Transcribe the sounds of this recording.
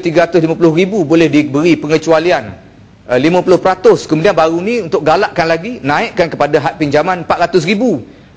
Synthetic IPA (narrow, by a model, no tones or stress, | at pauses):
t̪iɡaɾat̪ʊslimãpulʊhɾibubolɛhdibəɾipəŋət͡ʃualian | limə̃pulʊhpəɾat̪ʊskəmudianbaɾunĩunt̪ʊk̚ɡalaʔkanlaɡinãɪʔkankəpadaɦaʔ̚piɲd͡ʒamãnmpaʔɾat̪ʊsribu